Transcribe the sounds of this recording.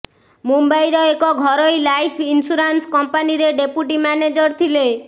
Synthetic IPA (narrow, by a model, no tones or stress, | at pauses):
mumbajɾɔekɔɡʱɔɾɔjlajpʰinsuɾanskɔmpaniɾeɖepjuʈimaned͡ʒɔɾt̪ʰile